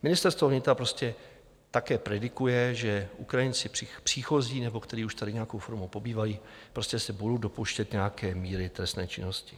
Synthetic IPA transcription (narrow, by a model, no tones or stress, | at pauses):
mɪnɪst̪ɛɾst̪voɦɲɪt̪apɾo̞scɛ | t̪akɛːpɾɛdɪkujɛʒɛʔukɾajɪnt͡sɪ̥ɪpr̥iːxo̞ziːnɛbo̞kt̪ɛɾiːuʃt̪adɪɲɛjakowfoɾmowpo̞biːvajiːpɾo̞scɛsɛbudowdo̞poʃcɛt̪ɲɛakɛːmiːɾɪt̪ɾɛst̪nɛ̰ːt͡ʃɪ̰no̞scɪ̥